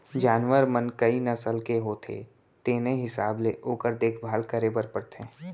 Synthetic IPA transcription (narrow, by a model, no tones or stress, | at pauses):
d͡ʒaːnwəɾmənkɐinɐsəlkeɦoːt̪ʰḛ | t̪eːnẽɦɪsaːbleʔoːkəɾd̪eːkʰbʱaːlkəɾebəɾpəɽt̪ʰẽː